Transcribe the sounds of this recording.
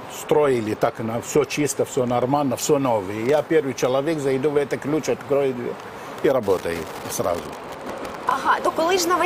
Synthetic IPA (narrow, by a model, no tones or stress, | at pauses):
st̪ɾojɪlʲɪt̪aknɐfsʲɔt͡ʃist̪ɐfsʲonɐrmalʲnɐfsʲɔnoʋɨjəjapʲerʋɨjt͡ʃɪlˠɐʋʲekzɐjd̪uʋɛt̪ɐklʲut͡ʃɐt̪kɾojɪd̪ʲʋʲɛ̰ | iɾɐbot̪ɐjɪ̰ | sɾa̰zʊ̰ | ɐɦat̪okʊlˠɪʐnɐʋɐ